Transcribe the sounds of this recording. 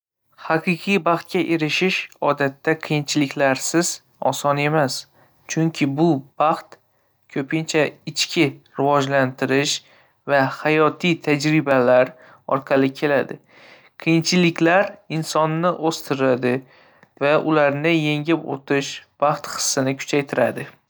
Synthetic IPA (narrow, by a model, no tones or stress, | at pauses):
hɑqʰɨqʰijbɑχt̪̚kʲaʔe̞ɾɪʃɪʃɒd̪at̪ːaqʰɨjɪnt͡ʃʰɪlɪkʲlaɾsɪz̥ | ɒ̰sɒne̞mas | t͡ʃʰʊŋkʲʰɪbʊb̥ɑχt̪ | kʲʰɵpʰɪnt͡ʃʰaɪt͡ʃkʲʰɪɾɪvɒd͡ʒlant̪ʰɪɾɪʃ | vahajɒt̪ʰijt̪ʰad͡ʒɾɪbalaɾ | ɒ̰ɾqʰɑlɪkʲʰe̞lad̪ɪ | qʰɨjɪnt͡ʃʰɪlɪkʲlaɾɪnsɒnːɪʔost̪ʰɪɾad̪ɪ | vaʔʊlaɾnɪje̞ŋɪpo̰t̪ʰɪʃb̥ɑχt̪χɨ̥sːɨnɪkʰʊ̥t͡ʃʰajt̪ʰɪɾa̰d̪ɪ